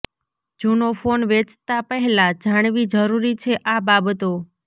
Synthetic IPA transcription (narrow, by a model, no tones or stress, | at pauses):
d͡ʒunofonʋet͡ʃt̪apəɦɛlad͡ʒaɽ̃ʋid͡ʒəɾuɾit͡ʃʰeʔababət̪o